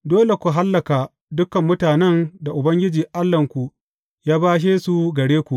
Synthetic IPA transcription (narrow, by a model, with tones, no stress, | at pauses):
doː˦le˨kʷu˨ɦa˦lːɐ˨ka˨ | dʊ˦kɐ˨mːʊ˦taː˨nɛ˦nda˨ʔʊ˨bɐ˦ŋɡʲɪ˦d͡ʒiː˨ʔa˦lːɐ˨ŋkʷu˨ | jaː˦baː˦ʃ̬eː˦su˨ɡɐ˨ɽeː˦kʷu˨ʔ